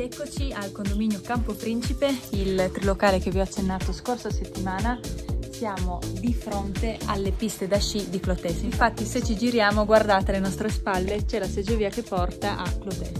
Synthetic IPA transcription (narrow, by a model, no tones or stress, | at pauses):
d̪ɛkːot͡ʃialkond̪ominjokampopɾint͡ʃipeilt̪ɾilokaːlek̟eviɔat͡ʃːenːaːt̪oskorsaset̪ːimaːnasjaːmod̪ifɾont̪ealːepist̪ed̪aʃid̪iklot̪ɛsiɱfat̪ːiset͡ʃːid͡ʒiɾjaːmoɡward̪aːt̪elenɔst̪ɾespalːet͡ʃɛlased͡ʒoviːakepːɔrt̪aʔaklot̪ɛs